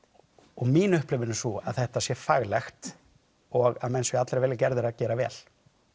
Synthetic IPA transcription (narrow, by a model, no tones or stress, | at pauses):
ɔɣmiːnʏhplɪvɪnɪsua̰ðθɛht̪asjɛfaɣlɛxt̪ | ɔɣaðmɛnsvɪat̪lɾɛvɛːlɪcɛɾðɪɾaðcɛːɾavɛ̰ːl̥